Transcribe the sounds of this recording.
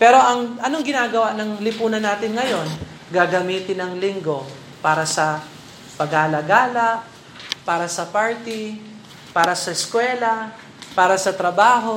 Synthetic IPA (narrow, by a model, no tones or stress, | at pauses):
pɛɾo̞ʔɐŋʔɐnoŋɡɪnaːɡɐwaʔnɐŋlɪpuːnɐnaːt̪ɪnŋɐjo̞n | ɡaːɡɐmiːt̪ɪnɐŋlɪŋɡo̞ | paːɾɐsɐ | pɐɡhaːlaɡaːlɐ | paːɾɐsɐpaɹt̪ɪ | paːɾɐsɐɪskwɛːlɐ | paːɾɐsɐt̪ɾɐbaːɦo̞